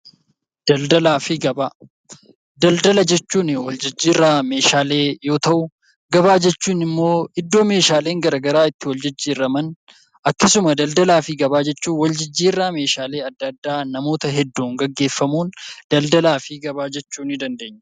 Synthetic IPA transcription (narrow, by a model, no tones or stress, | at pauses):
d̪̥ɐld̪ɐlaːfɪɡɐbaː | d̪ɐld̪ɐlɐd͡ʒɛt͡ʃːuːnɪwɐld͡ʒɪd͡ʒːiːrːaːme̞ːʃaːle̞ːjo̞ːt̪ɐʔʊ | ɡɐbaːd͡ʒɛt͡ʃːuːnɪmːo̞ːɪd̪ːo̞ːme̞ːʃaːleːŋɡɐɾɐːɡɐɾaːɪt̪ːɪwɔld͡ʒɪd͡ʒːiːɾːɐmɐn | ʔɐkːɐsʊmɐd̪ɐld̪ɐlaːfɪɡɐbaːd͡ʒɛt͡ʃːuːnwɐld͡ʒɪd͡ʒːiːrːaːme̞ːʃaːle̞ːɐd̪ːɐd̪ːaːnɐmo̞ːt̪ɐɦɛd̪ːuːŋɡɐɡːe̞ːfːɐmuːnd̪̥ɐld̪ɐlaːfɪɡɐbaːd͡ʒɛt͡ʃːuːnɪd̪ɐnd̪e̞ːɲːɐ̥